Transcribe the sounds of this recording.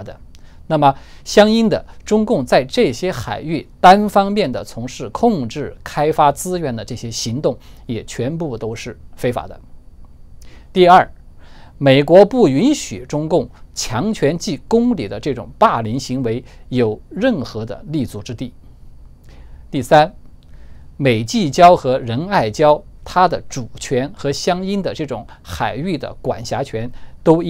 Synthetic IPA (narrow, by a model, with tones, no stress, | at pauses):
d̪ə˧ | na˥˩mə˩ɕjɑ˥ŋi˥nd̪ə̰˨ʈ͡ʂʊ˥ŋkʊ˥˧ŋt͡sa˥˧ɪʈ͡ʂɤ˥˩ɕjɛ˥xa̰˨˩ɪy˥˩t̪a˥nfɑ˥ŋmjɛ˥˩nd̪ə˩t͡sʰʊ˧˥ŋʂɻ̩˥˩kʰʊ˥˧ŋʈ͡ʂɻ̩˥˩kʰa˥ɪfa˥t͡sɹ̩˥ɥɛ˧˥nd̪ə˨ʈ͡ʂɤ˥˩ɕjɛ˥ɕi˧˥ŋt̪ʊ˥˩ŋjɛ˨˩t͡ɕʰɥɛ˧˥np̬u˥˩t̪o˥ʊʂɻ̩˥˩fe˥ɪfa̰˨˧˥d̪ə̰˦ | t̪i˥˧ɐ˞˥˩ | me˨˩ɪkwɔ˧˥pu˥˩y˧˥nɕy̰˨˩ʈ͡ʂʊ˥ŋkʊ˥˩ŋt͡ɕʰjɑ˧˥ŋt͡ɕʰɥɛ˧˥nt͡ɕi˥˩kʊ˥ŋli˨˩d̪ə˦ʈ͡ʂɤ˥˩ʈ͡ʂʊ̰˨˩ŋpa˥˩li˧˥nɕi˧˥ŋwe˧˥ɪjo˨˩ʊɻə˥˩nxɤ˧˥d̪ə̰˧li˥˩t͡su˥˩ʈ͡ʂɻ̩˥t̪i˥˩ | t̪i˥˩sa˥n | me˨˩ɪt͡ɕi˥˩t͡ɕjɑ˥ʊxɤ˧˥ɻə˧˥na˥˩ɪt͡ɕjɑ˥ʊt̪ʰa˥d̪ə˨ʈ͡ʂu˨˩t͡ɕʰɥɛ˧˥nxɤ˧˥ɕjɑ˥ŋi˥nd̪ə˨ʈ͡ʂɤ˥˩ʈ͡ʂʊ̰˧˩˦ŋ | xa˨˩ɪy˥˩d̪ə̰˩kwa̰˨˩nɕja˧˥t͡ɕʰɥɛ˧˥nt̪o˥ʊ˥